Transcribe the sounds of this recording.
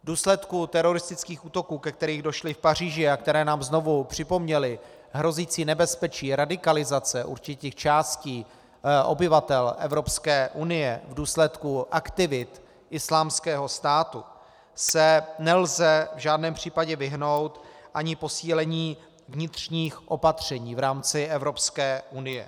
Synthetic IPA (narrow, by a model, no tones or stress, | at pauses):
vduːslɛt̪kut̪ɛɾo̞ɾɪst̪ɪt͡skiːxʔuːt̪o̞kuːkɛk̚t̪ɛɾiːɣdo̞ʃlɪfpar̝iːʒɪakt̪ɛɾɛːnaːmzno̞vupr̝̥ɪpo̞mɲɛlɪ | ɦɾo̞ziːt͡siːnɛbɛspɛt͡ʃiːɾadɪkalɪzat͡sɛʔṵɾt͡ʃɪt̪iːxt͡ʃaːsciː | ʔo̞̰bɪvat̪ɛlʔɛ̰vɾo̞pskɛːʔunɪjɛvduːslɛt̪kuʔakt̪ɪvɪt̪ | ʔɪslaːmskɛːɦo̞st̪aːt̪u | sɛnɛlzɛvʒaːdnɛːmpr̝̥iːpaɟɛvɪɦno̞wt̪ʔaɲɪpo̞siːlɛɲiː | vɲɪt̪rɲiːxʔo̞pat̪r̝̥ɛɲiːvɾaːmt͡sɪʔɛvɾo̞pskɛːʔunɪjɛ̰